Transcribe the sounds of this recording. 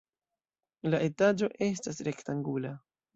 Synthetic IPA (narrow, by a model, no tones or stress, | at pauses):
laʔe̞tad͡ʒo̞ʔe̞stasɾe̞ktaŋɡula